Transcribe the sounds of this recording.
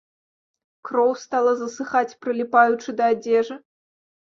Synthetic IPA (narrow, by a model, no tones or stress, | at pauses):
krɔwst̪alˠɐzɐsɨxat͡sʲpɾɨlʲipajut͡ʂɨd̪ɐːd͡zʲɛʐɨ